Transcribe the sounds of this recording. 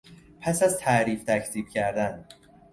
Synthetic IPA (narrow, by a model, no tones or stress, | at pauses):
pʰæsæzt̪ʰæɾiːft̪ʰæcʰt̪iːb̥cʰæɾd̪æn